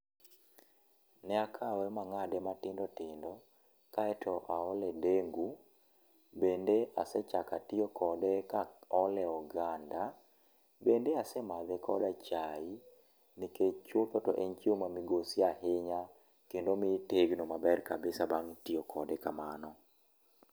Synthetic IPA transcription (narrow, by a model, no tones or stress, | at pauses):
nɛakʰawɛmaŋadɛmatɪndɔtɪndɔ | kaɛtʰɔʔaɔlɛdeŋɡu | bendeasɛt͡ʃakatɪɔkʰɔdɛkaɔlɛɔɡanda | bendeasɛmad̪ɛkʰɔdat͡ʃai | niket͡ʃot̪ɔtɔ̰ʔeɲt͡ʃiomamiɡosɪaɦɪɲa | kendomiteɡnomabɛrkabɪsabaŋtɪɔkʰɔdɛkamanɔ